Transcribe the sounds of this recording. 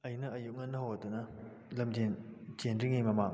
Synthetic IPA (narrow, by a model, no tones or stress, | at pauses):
ɐjnɐɐjuk̚ŋɐnːɐɦowɐtunɐ | lɐmd͡ʒend͡ʒenɾiŋimɐmaŋ